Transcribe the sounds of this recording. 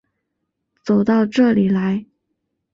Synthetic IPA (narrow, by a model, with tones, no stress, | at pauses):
t͡so˨˩ʊt̪ɑ˥˧ʊʈ͡ʂɤ˥˩li˨˩la˧˥ɪ